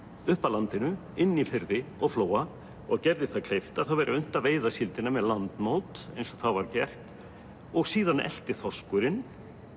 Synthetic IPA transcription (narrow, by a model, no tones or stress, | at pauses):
ʏhpalant̪ɪnʏ | ɪnːifɪɾðɪɔɣfloːwa | ɔɣcɛɾðɪθakʰl̥ejft̪aθawvɛɾʔɪʏn̥t̪aveːjðasɪlt̪ɪnːamɛðlant̪mowt̪ejnsɔθawvaɾcɛr̥t̪ | ɔɣsiːðanɛ̰l̥t̪ɪθɔskʏɾɪn